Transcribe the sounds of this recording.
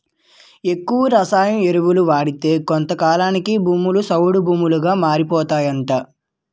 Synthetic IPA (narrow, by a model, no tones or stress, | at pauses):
e̞kːuʋɐɾɐsaːjɐmeɾuʋuluʋaːɽit̪e̞ːkont̪ɐkaːlaːnikibʱuːmulusɐwuɽubʱuːmuluɡaːmaːɾipɔːt̪aːjɐɳʈaː